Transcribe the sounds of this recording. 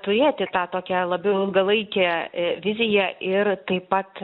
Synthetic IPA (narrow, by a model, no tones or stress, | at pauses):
t̪ʊɾʲeːt̪ʲɪt̪ɑːt̪oːkʲælˠɐbʲɛʊɪlˠɡɐlˠɐɪkʲɛːʋʲɪzʲɪjɛʔɪrt̪ɐɪpːɐt̪